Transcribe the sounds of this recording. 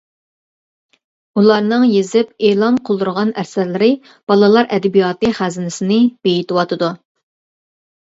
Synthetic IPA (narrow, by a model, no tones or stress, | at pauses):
ulˠɑɾnɨŋjezɪp̚eːlˠɑnqʰolˠd̪uɾʁɑnæɾsæɾlɪɾɪ | b̥ɑlˠɨlˠɑɾʔɛd̪ɪbijɑːt̪ɨχæzɪnɪsɪnɪb̥ejit̪ɪwɑt̪ʰɨd̪u